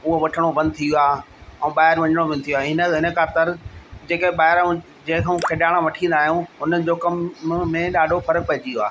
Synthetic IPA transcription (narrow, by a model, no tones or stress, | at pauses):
ʊɦoʋɐʈʰəɽ̃obɐ̃nd̪̚t̪ʰijoaː | ɛ̃ːɓaːɦɪɾʋɐ̃ɲəɽ̃obɐ̃nɪt̪ʰijoaːɦɪnə̆ɦɪnə̆kʰaːt̪ɪɾd͡ʑeːkeɓaːɪɾũ | d͡ʑẽɦɪ̃kʰeũkʰɪɗaːɽ̃aʋɐʈʰĩːn̆d̪aːɦjũʊnəɪ̆d͡ʑoːkɐmmẽɗaːɖʱofɐɾək̚pɐɦɪd͡ʑijoaː